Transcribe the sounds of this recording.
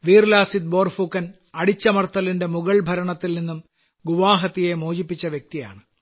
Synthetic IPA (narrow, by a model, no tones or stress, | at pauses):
ʋiːrlaːsid̪̚bo̞ːrfukːɐn | ɐɽit͡ɕːɐmɐrt̪ːɐlinde̞muɣɐɭbʱɐɾɐɳɐt̪ːilninːum | ɡuʋaːɦɐt̪ːije̞moːd͡ʑipːit͡ɕːɐʋjek̚t̪ija̰ːɳɨ